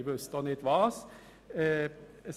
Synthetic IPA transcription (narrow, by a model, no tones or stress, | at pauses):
bʉst̪ɔnɪt̪ʋɑːs